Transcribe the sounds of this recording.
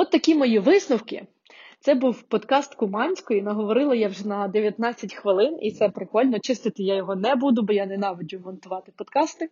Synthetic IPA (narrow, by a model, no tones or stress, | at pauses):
ɔt̪ːɐkʲimɔjiʋɪsnʊwkɪ̰ | t̪sɛbuwpɔd̪kɑst̪kʊmɑnʲsʲkɔinɐɦɔʋɔɾɪlˠɐjawʒɛnɐd̪eʋʲjɐt̪nɑt͡sʲːɐtʲxʋɪlˠɪnḭt̪sɛpɾɪkɔlʲnɔt͡ʃɪst̪ɪt̪ɪjajɔɦɔnɛbud̪ʊbɔjanɛnɑʋɔd͡ʒʲʊmɔnt̪ʊʋɑt̪ɪpɔd̪kɑst̪ɪ